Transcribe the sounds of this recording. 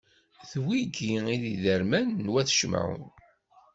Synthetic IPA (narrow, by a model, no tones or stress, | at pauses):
θwiɡiiðiðəɾmænːwæθʃm̰ə̰n